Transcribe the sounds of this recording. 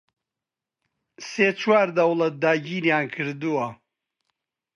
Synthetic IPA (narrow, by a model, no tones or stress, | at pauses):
seːt͡ʃʰwaːɾd̪ɐwlɐt̪̚d̪aːɟiːɾjaːnkʰɨɾd̪uwɐ